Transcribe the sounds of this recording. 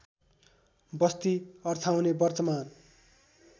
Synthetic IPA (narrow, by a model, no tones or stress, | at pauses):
bʌst̪iʌrt̪ʰawnebʌrt̪ʌman